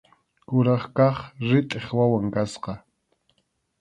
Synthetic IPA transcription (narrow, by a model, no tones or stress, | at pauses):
kʊɾɑχkɑχɾɪt̪ʼeχwawaŋkasqɑ